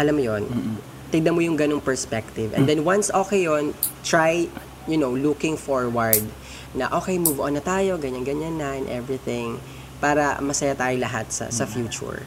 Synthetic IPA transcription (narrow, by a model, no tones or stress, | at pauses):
ʔɐlamːojon | t̪ɪɡ̚d̪ɐmojʊŋɡɐnoŋpɛɹspɛk̚t̪ɪvɛ̰nd̪ɛnwansʔoːkɛjːont̪ɹaj | jʊnowlukɪ̃ŋfoɹwɐɹd̪̚ | nɐ̰ʔo̞ːkejmuvʔonːɐt̪aːjo̞ɡɐɲaŋɡɐɲanːɐɛnʔɛvɹɪθɪ̃ŋ | paːɾɐ̰mɐsɐjat̪aːjolɐɦat̪̚sɐ̰sɐfjuːt͡ʃʊ̰ɹ